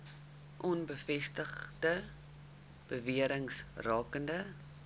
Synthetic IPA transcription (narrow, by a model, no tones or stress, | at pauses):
ʔɔnbəfɛstəχdə | b̥əviəɾəŋsrɑːkəndə